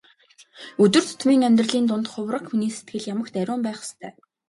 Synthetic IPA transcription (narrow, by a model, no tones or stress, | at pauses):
ɵt̪ɘ̆r̥t̪ʰʊ̥t̪ʰmiːŋæmʲt̪rə̆ɮiːnt̪ʊnt̪χʊwrə̆kxuniːse̥t̪̚ɡɘ̆ɮjamə̆kt̪æɾʲʊːmpæːχə̥st̪ʰœ̰ː